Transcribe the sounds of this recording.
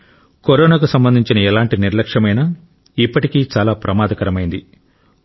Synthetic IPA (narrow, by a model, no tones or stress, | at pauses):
koɾoːnaːkusɐmbɐnd̪iɲt͡ʃinɐɛlaːɳʈiniɾlɐkʂɐmɐjnɐ | ipːɐʈikiːt͡ʃaːlaːpɾɐmaːd̪ɐkɐɾɐmɐjind̪i